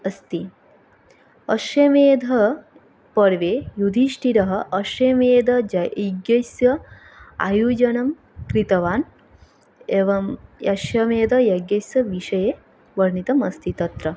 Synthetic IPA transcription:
ɐst̪i | ɐʃjɐmeːd̪ʱɐ | pɐɾʋeːjud̪ʱiʃʈʰiɾɐɦɐ̆ʔɐʃjɐmeːd̪ʱɐd͡ʒɐɐɡjɐsjɐ | a̰juːd͡ʒɐnɐm | kɾit̪ɐʋaːn | eʋɐmjɐʃjɐmeːd̪ʱɐjɐɡjɐsjɐʋiʃɐjeː | ʋɐɾɳit̪ɐmɐst̪it̪ɐt̪ɾɐ

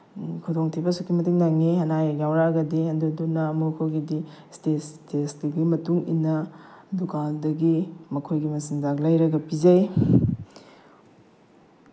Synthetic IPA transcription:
kʰodoŋtʰibɐsukːimɐtiŋnaŋehɐnajajawɾaɡɐdihɐndudunɐmokʰoɡidistestesɡiɡimɐtuŋḭnːɐdukaldɐɡimɐkʰojɡimɐsinzaklɐjɾɐɡɐpizɐj

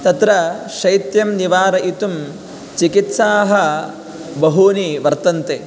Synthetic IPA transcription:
t̪ɐt̪ɾɐʃɐjt̪jɐmniʋaːɾɐʔit̪um | t͡ʃikit̪saːɦɐ | bɐɦuːniʋɐɾt̪ɐnt̪eː

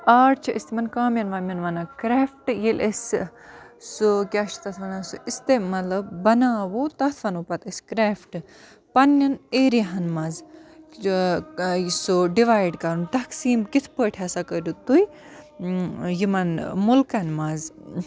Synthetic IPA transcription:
aːɽt͡ʃʰɐʔist̪imɐnkaːmjɐnʋɐmʲɐnʋɐnakɾeːfʈjilʔes | sukʲaːʃt̪ɐt̪ʰʋɐnaːsuist̪emɐlɐbbɐnaːʋoːt̪ɐt̪ʰʋɐnupɐt̪iskɾeːfʈɨ | pɐnːɐneːɾiɦɐnmɐz | soɖiʋaːjɖkɐɾunt̪ɐksiːmkit̪ʰpəʈʰʲaːsakədut̪uj | jimɐnmulkɐnmɐz

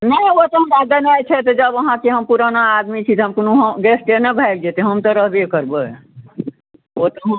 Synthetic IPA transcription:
nəjot̪ɔɦəmɾad̪ənajt͡ʃʰɛt̪ɔd͡ʒəbəɦãkeɦəmpuɾanaːd̪mit͡ʃʰit̪ɦəmkonoɦɡɛsʈenəbʱajk̚d͡ʒet̪eɦəmt̪əɾəɦbʱekəɾbə | ot̪ɔɦə

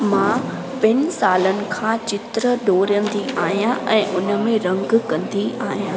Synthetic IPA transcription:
mãː | pɪnɪ̆saːlənɪ̆kʰãːt͡ɕɪt̪ɾəɖoːɾə̃nd̪iaːɦijãʔɛ̃ːʔʊnə̆mẽɾɐ̃ŋɡkɐ̃nd̪iaːɦijãː

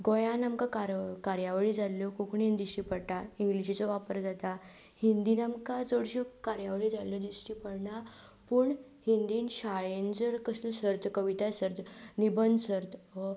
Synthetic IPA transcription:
ɡojanamkakaɾkaɾjaʋɭid͡zalːokokɳind̪iɕipəɽʈaiŋɡliɕit͡sɔʋapəɾd͡zat̪a | hind̪iːnamkad͡zoɽɕokaɾjaʋɭid͡zaləd̪isʈipəɽɳa | puːɳ | hind̪iːnɕaɭend͡zəɾkəsləsəɾt̪kəʋit̪asəɾt̪nibənd̪səɾt̪

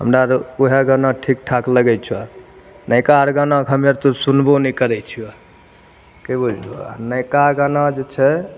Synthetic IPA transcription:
ɦə̰mɾaɾkuɦeɡanaʈʰik̚ʈʰakləɡɛt͡ʃʰia | nəjkaɾɡanakɦəmeɾt̪ɔsunbonɛkəɾɛt͡ʃʰia | kebod͡ʒua̰nəjkaɡanad͡ʒet͡ʃʰɛ

